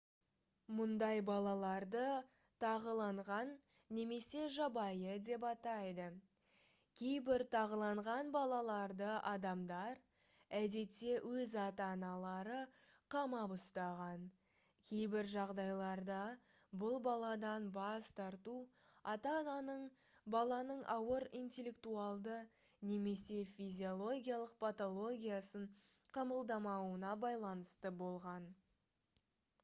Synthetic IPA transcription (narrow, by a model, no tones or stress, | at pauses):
mʊnd̪ɑjbɑlˠɑlˠɑɾd̪ə | t̪ʰɑʁəlˠɑɴʁɑnː | e̞me̞se̞ʒɑbɑjəd̪e̞pɑt̪ɑjd̪ə | kʲʰe̞jbɪɾt̪ʰɑʁəlˠɑɴʁɑnbɑlˠɑlˠɑɾd̪əʔɑd̪ɑmd̪ɑɾ | æd̪e̞t̪ːe̞wʔɵzɑt̪ɑnɑlˠɑɾə | qʰɑmɑbʊst̪ɑʁɑn | kʲʰe̞jbɪɾʒɑʁd̪ɑjlˠɑɾd̪ɑ | bʊlˠbɑlˠɑd̪ɑnbɑst̪ʰɑɾt̪u | ɑt̪ɑnɑnəɴ | bɑlˠɑnəɴʔɑwəɾijnt̪e̞lʲːe̞k̚t̪uɑlˠd̪ə | ne̞me̞se̞fizʲio̞lˠo̞ɡʲijalˠəq̚pʰat̪o̞lˠo̞ɡʲijasəɴ | qʰɑməlˠd̪ɑmɑwənɑbɑjlˠɑnəst̪əbo̞lˠʁɑn